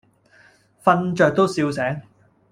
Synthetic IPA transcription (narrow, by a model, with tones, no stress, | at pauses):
fɐ˧nt͡ʃœː˨˧k̚t̪o˥wsiː˧wsɛː˨˥ŋ